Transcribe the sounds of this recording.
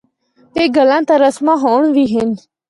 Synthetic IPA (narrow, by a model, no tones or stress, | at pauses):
t̪eːɡəlãːt̪aːɾəsmãːɦoːɳʋiːɦɪn